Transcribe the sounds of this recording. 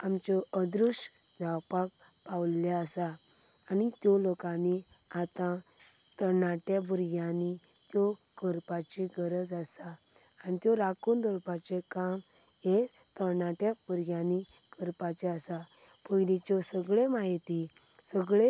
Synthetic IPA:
amt͡ɕɔəd̪ɾuʂ | d͡zʱawpak̚ | pawljaəsaː | nit̪jɔlokãni | at̪ã | t̪ənaʈjabuɾɡãni | t̪jɔ | kəɾpat͡ɕiɡəɾəd͡zasaː | nit̪jɔɾakund̪əɾpat͡ɕekam | e | t̪ənaʈjabʱuɾɡãni | kəɾpat͡ɕeəsa | pəjlit͡ɕɔsəɡɭemaɦit̪i | səɡɭe

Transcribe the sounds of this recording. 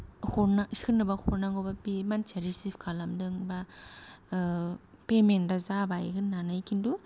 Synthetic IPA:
hɔnaskʰɯnːɯbahʰoɾnaŋɡobapimant͡ʃeɾisipʰkʰalamdɯŋba | pementɾazabajɡɯnːanajkʰindu

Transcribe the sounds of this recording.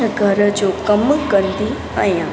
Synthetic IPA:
ɡʱəɾd͡ʑokəmkənd̪i | ãjã

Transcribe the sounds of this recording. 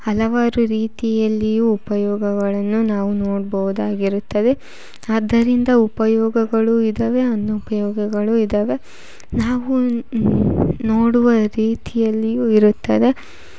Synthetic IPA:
ɐlɐʋaːɾuɾiːt̪ijɐlːijuːpɐjɔːɡɐɡɐɭɐnːunaːʋunoːɽbɐʋud̪aːɡiɾut̪ːɐd̪e̞ | ɐd̪ːɐɾind̪ɐupɐjɔːɡɐɡɐɭuid̪ɐʋe̞ɐnːupɐjɔːɡɐɡɐɭuid̪ɐʋe̞ | naːʋu | noːɽuʋɐɾiːt̪ijɐlːijuːiɾut̪ːɐd̪e̞

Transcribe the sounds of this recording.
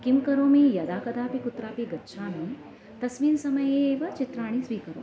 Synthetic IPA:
kimkɐɾoːmijɐd̪aːkɐd̪aːpikut̪ɾaːpiɡɐtːʃʰaːmi | t̪ɐsʋiːnsɐmɐjeeːʋɐt͡ʃit̪ɾaːɽ̃isʋiːkɐɾo̰ː

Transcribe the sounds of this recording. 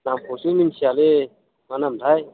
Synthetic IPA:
namkʰosunimsʰiale | manamd̪ʱaj

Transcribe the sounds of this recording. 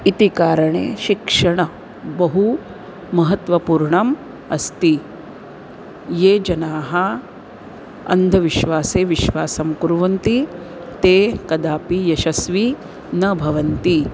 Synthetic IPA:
it̪ikaːɾɐɳḛːʃikʂɐɳɐ | bɐɦu | mɐɦɐt̪ʋɐpuːɾɳɐm | ɐst̪i | jeːd͡ʒɐnaːɦɐ | ɐ̰nd̪ʱɐʋiʃʋaːseːʋiʃʋaːsɐmkuɾʋɐnt̪i | t̪eːkɐd̪aːpijɐʃɐsʋi | nɐbʱɐʋɐnt̪i

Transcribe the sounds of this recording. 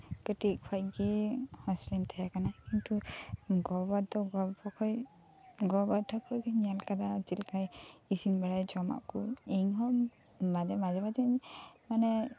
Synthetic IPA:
kəʈik̚pʰajɡihɔ̃slɛnt̪ʰɛjakanakint̪uɡɔbad̪ɔɡɔbɔkʰɔj | ɡɔbaʈʰɔkʰɔjɡiɲalkad̪at͡ʃilkʰajisinbaɽajd͡ʒɔma̰ʔkuɛŋɦɔ | madɛmad͡ʒɛbadɛɲmanɛ

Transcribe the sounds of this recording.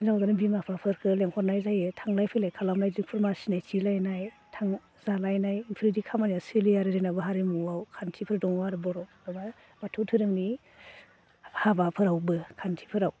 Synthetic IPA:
zawdanɯbimapʰapʰɯɾkʰɯleŋhʰɔɾnajzajɯtʰaŋlajpʰɯjlajkʰalamnajzpʰuɾmasinajt͡ʃilajnaj | tʰaŋ | zalajnajnpʰɾidikʰamanjasɯlijaɾɯɾɯnabɯɦaɾemuawkʰantʰipʰɯɾdɔŋwaɾɯbɔɾɔw | aba | matʰɯtʰɯɾɯmni | habapʰɯɾawbɯkʰantʰi̥pʰɯɾaw

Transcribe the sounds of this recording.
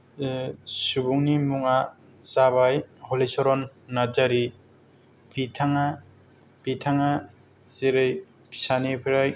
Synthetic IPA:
subuŋnimuŋa | saβajhɔlisɔɾɔnːad͡ʒaɾi | pʰitʰaŋa | pitʰaŋa | zeɾɯj | pʰi̥sanipʰɾaj

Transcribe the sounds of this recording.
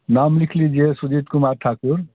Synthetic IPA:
namlikʰlid͡ʒiesud͡ʒit̪kumaɾʈʰakuɾ

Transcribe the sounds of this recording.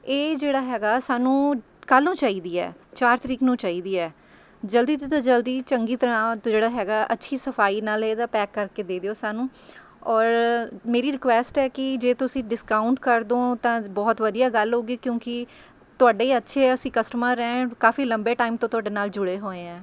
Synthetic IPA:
eːd͡ʒeːɽaːɦɛːɡaːsaːnũː | kəlːũːt͡ʃaːiːd̪iːɛ̰ːt͡ʃaːɾt̪əɾiːknũːt͡ʃaːiːd̪iːɛː | d͡ʒəld̪iːt̪t̪ãːd͡ʒəld̪iːt͡ʃəŋɡiːt̪əɾãːd͡ʒeːɽaːɦɛːɡaːʔətːʃʰiːsəfʰaːiːnaːleːd̪aːpɛːkːəɾkeːd̪eːd̪eoːsaːnũː | ɔːɾmeːɾiːɾɪkʋɛːsʈɛːkɪd͡ʒeːt̪ʊsĩːɖɪskaːʊɳʈkəɾd̪õːt̪ãːbɔːt̪ʋəd̪ijaːɡəlɦoːɡiːkjõːkɪ | t̪ʊaːɖeːətːʃʰeːəsĩːkəsʈəmãːɾɛ̃ːkaːfiːləmbeːʈaːɪmt̪õːt̪ʊaːɖeːnaːld͡ʒʊɽeːɦoːeːɛ̃ː

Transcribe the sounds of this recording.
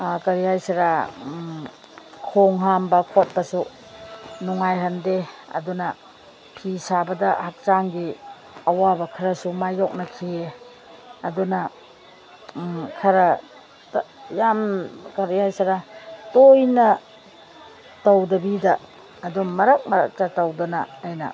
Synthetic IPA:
kɐɾihajsaɾa | kʰoŋɦambɐkʰot̚bɐsu | nuŋajɦandeɐ̰dunɐ | pʰisabɐdɐhak̚t͡ʃaŋɡi | ɐwabɐkʰaɾɐsumajɔk̚nɐkʰie | ɐdunɐ | kʰɐɾɐ | jamkaɾihajsaɾatojnɐ | tawdɐbidɐː | dumːɐɾak̚mɐɾa̰k̚tatawdɔna̰ːjnɐ̰

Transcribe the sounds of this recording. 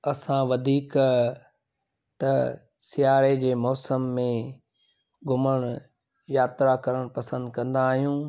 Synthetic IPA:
ɐsãʋɐd̪ʱiːk | t̪ɐ | sɪjaːɾed͡ʑeːmɔːsəmːẽ | ɡʱʊməɽ̃ | jaːt̪ɾakɐɾəɽ̃pɐsə̃nd̪kɐ̃nd̪aːɦijũː

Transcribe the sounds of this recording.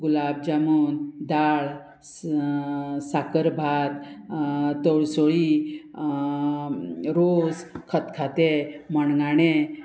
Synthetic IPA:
ɡulab̚d͡ʑamund̪aɭ | sakəɾbʱat̪ | t̪əɭsoɭi | ɾod͡zkʰət̪kʰat̪eməɳŋɡaɽe

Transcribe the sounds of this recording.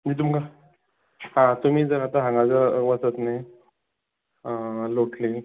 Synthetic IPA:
d͡ʑit̪̬umka | ɦãt̪um̤iːd͡zəɾat̪aɦãŋɡad͡zaʋat͡sət̪ne | loʈʰlin

